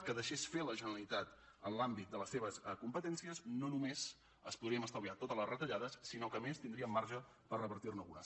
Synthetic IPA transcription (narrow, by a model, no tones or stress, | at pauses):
kəðəʃesfeləʒənəɾəlit̪at̪ənlambit̪̚d̪ələsːeβ̞əsəkumpət̪ɛnsiəznonumez | əspuðɾiəməst̪əβliat̪ot̪əzləzrət̪əʎaðəsːinokəmest̪ind̪ɾiəmːaɾʒə | pərrəβəɾt̪irnəṵnə̰